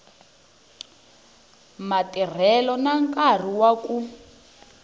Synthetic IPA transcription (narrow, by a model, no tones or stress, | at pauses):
matir̤ɛlɔnaŋkʼar̤iwaku